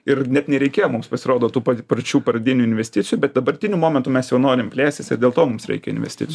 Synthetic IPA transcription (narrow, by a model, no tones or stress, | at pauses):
ɪrnʲɛt̪nʲɛɾʲɛɪkʲeːjoːmʊmspɐsʲɪɾoːd̪oːt̪uːpɐprɐt͡ʃʲuːpɐɾɐd̪ʲɪnʲuɪnʲʋʲɛsʲt̪ʲɪtt͡sʲɪjuːbʲɛt̪̚d̪ɐbɐɾʲt̪ʲɪnʲuːmoːmʲɛnt̪uːmʲɛsjɛʊnoːɾʲɪmpʲlʲæːsʲtʲɪsɪ̰ɾd̪ʲeːlˠt̪oːmʊmsɾʲɛ̰ɪkʲɛɪnʲʋʲɛ̰sʲt̪ʲɪ̰tt͡sʲju